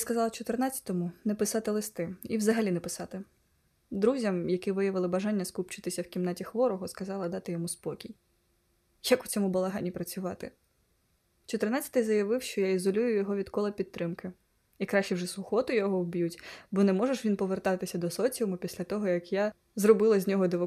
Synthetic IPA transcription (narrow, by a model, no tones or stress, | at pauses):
skɐzɑlˠɐt͡ʃɔt̪ɪrnat͡sʲːɐ̥t̪ɔmʊnɛpɪsɑt̪ɪlˠɪst̪ɪiwzɐɦɐlʲinɛpɪsɑt̪ɪ | d̪ɾuzʲɐmjɐkɪʋɪjɐʋɪlˠɪbɐʒɑnʲːɐskupt͡ʃɪt̪ɪsʲɐwkʲimnatʲixʋɔɾɔɦɔskɐzɑlˠɐd̪ɑt̪ɪjɔmuspɔkʲij | jɐkʊt͡sʲɔmubɐlˠɐɦɑnʲipɾɐt͡sʲʊʋɑt̪ɪ | t͡ʃɔt̪ernat͡sʲːɐ̥t̪ɪjzɐjɐʋɪwʃt͡ʃɔjaizɔlʲujʊjɔɦɔʋʲid̪kɔlˠɐpʲid̪̚t̪ːɾɪmkɪ | ikɾaʃt͡ʃɛwʐɛsʊxɔt̪ʊjɔɦɔwbʲjutʲbɔnɛmɔʒeʃʋʲinpɔʋert̪ɑt̪ɪsʲɐd̪ɔsɔt͡sʲmʊpʲisʲlʲɐt̪ɔɦɔjɐkja | zrɔbɪlˠɐzʲnʲɔɦɔd̪ɪʋɔ